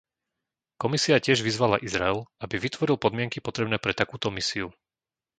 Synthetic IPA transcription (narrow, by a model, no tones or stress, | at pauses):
kɔmisiacɪɛʒʋizʋalaʔizɾaɛlabiʋit̪ʋɔɾilˠpɔd̪mɪɛŋkipɔt̪ɾɛbnɛːpɾɛt̪akuːt̪ɔmisiu